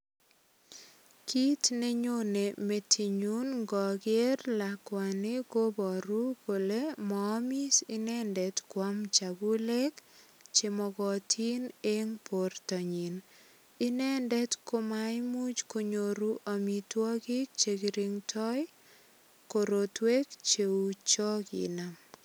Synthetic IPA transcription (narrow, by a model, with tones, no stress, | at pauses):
kʰi˦tne˦ɲo˦ne˨me˦tʰi˨ɲu˦nɡɔ˨ɡɪe˦rla˨kwa˨nɪ˦ko˦bɔ˨ɾu˦ko˨le˦mɔː˦mi˦sɪ˦nɛ˦ndɛ˨tkwa˦mt͡ʃa˨ɡu˦le˦kt͡ʃe˨mɔ˨ɡɔ˨tʰi˦ne˦ŋpo˨rtɔ˨ɲi˨n | ɪ˦nɛ˦ndɛ˦tko˦majmu˦t͡ʃko˨ɲo˨ɾu˦ʔa˨mi˨twɔ˦ɡɪ˦k̚t͡ʃe˨ɡiɾiŋtʰɔ˦j | ko˨ɾo˨twe˦kt͡ʃe˨ut͡ʃɔ˦kḭna˨m